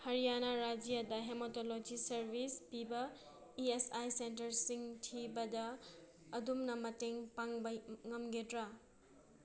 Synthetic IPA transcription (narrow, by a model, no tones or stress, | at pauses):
hɐɾijanaɾad͡ʒijadɐɦemotolod͡ʒisɐɾbispibɐ | iesajsentɐɾsiŋtʰibɐdɐː | dumnɐmɐteŋpaŋbɐŋɐmɡedɾa